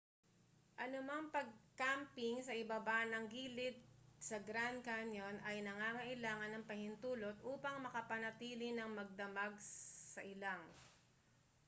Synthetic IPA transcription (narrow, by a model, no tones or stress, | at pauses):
ʔɐnʊmɐŋpɐɡ̚kampɪŋsɐʔɪbabanɐŋɡiːlɪt̪̚sɐɡɾand̪̚kanjonʔɐjnɐŋaːŋɐʔɪlaːŋɐnːɐŋpɐhɪnt̪uːlo̞t̪̚ʔuːpɐŋmɐkɐpɐnɐt̪iːlɪnɐŋmɐɡ̚d̪ɐmaɡsɐʔɪlaŋ